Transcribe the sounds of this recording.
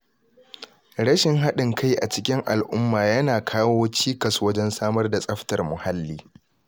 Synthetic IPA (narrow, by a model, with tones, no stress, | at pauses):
ɽɐ˦ʃɪ˨ŋɦa˦ɗɪ˨ŋkʰa˦jʔa˨t͡ʃɪ˦kʲɪ˦ŋʔa˨lʔʊ˦mːaː˨jɐ˦naː˨kʰaː˦woː˦t͡ʃiː˦kɐ˨swɐ˦d͡ʒɛ˦nsaː˦mɐ˦rda˨sʼɐ˦ɸtɐ˨rmʊ˨ha˦lːiː˦